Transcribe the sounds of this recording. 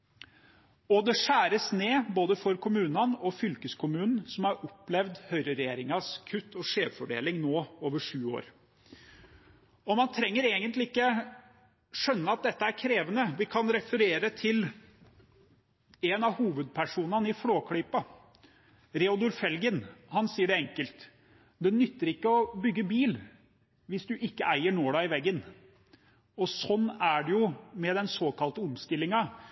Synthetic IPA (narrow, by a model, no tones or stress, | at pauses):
ɔd̪ɛʂæːɾəsneːboːd̪əfɔɾkʰʊmʉːnɑnɔfʏlkəskʰʊmʉːnn̩sɔmɑɾɔpːlɛʋd̪hœʏɾəɾɛjeːɾɪŋɑskʰʉt̪ːɔʂeːʋfɔɖḛːlɪŋnoːoːʋəʂʉːo̰ːɾ | ɔmɑnt̪ʰɾɛŋːəɾeːɡənt̪lɪɪkːə | ʂœnːəɑt̪̚d̪ɛt̪ːəæɾkʰɾeːʋənəʋɪkʰɑnɾɛfəɾeːɾət̪ʰɪl | ɛnɑʋhuːʋəd̪̚pʰæʂuːnɑnəɪfloːkʰɽɪpːɑ | ɾɛʊd̪ʉɾfɛlɡənhɑnsiːəɖɛɛŋkəlt̪ | d̪ɛnʏt̪ːəɾɪkːəɔbʏɡːəbiːl | ʋɪsd̪ʉʔɪkːəʔæɪəɳoːɖ̪æɪʋɛɡːən | ɔsɔnːæɖɛjʊmɛd̪ɛnsoːkɑlt̪əʊmst̪ɪlːɪŋɑ